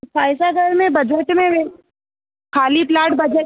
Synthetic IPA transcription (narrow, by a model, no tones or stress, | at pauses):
saːɪsaɡʱɐɾmẽbɐd͡ʒəʈmẽʋe | kʰaːliplaːʈ̚bɐd͡ʒə